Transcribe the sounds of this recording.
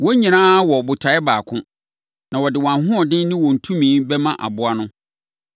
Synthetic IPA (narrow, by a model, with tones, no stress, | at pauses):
wɔ˦ɲĩ˨nãː˦wɔ˨bʊ˨tʰa˨ɛ˦baː˨kʰʊ̃˦ | nã˨wɔ˨dɪ˨wã˨ɦʊ̃˦ɔ˨dɪ̃˦nɪ̃˦wɔ˨n̩˨tʰũ˦mĩː˨˦bɛ˦mã˦ʔa̰˨bʊ˦a˦nʊ̃˦